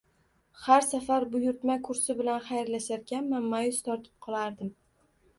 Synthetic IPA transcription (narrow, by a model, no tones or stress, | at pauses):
haɾsafaɾbʊjʊɾt̪makʰʊɾsɪbɪlanχajɾlaʃaɾkʲanmamːajʊst̪ʰɒɾt̪ʰɪ̥p̚qʰɒlˠaɾd̪ɪm